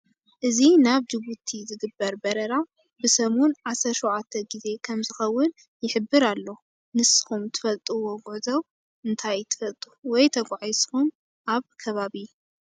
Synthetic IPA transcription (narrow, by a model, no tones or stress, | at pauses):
ʔɨzinaβd͡ʒɨβut̪ʰizɨɡɨbːɐɾbɐɾɐɾa | bɨsɐmunʕasɐɾʃowʕat̪ʰːɐɡize̞kʰɐmzɨxɐwːɨn | jɪħɨbːɨɾalːo | nɨsɨ̥xumt̪ʰɨ̥fɐlt̪ʼuwoɡʊʕzɐw | ʔɨnt̪ʰajt̪ʰɨ̥fɐlt̪ʼuwɔjt̪ʰɐɡʷʼʕajsxum | ʔaβkʰɐβaβiu